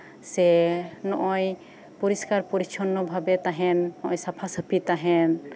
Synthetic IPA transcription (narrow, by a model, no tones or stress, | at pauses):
sɛnɔʔɔj | puɾiskaɾpuɾit͡ʃʰɔnːɔbʱabɛt̪aɦɛnːɔʔɔ̃jsapʰasəpʰit̪aɦɛn